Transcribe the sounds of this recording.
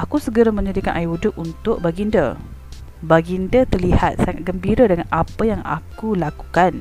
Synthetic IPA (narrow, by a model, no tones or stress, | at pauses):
ʔakusəɡəɾamə̃ɲadikanʔaiudʊkunt̪ʊʔ̚baɡində̰ | baɡindət̪ərlihat̪̚saŋat̪̚ɡəmbiɾadəŋanʔapajaŋa̰kulaku̥kan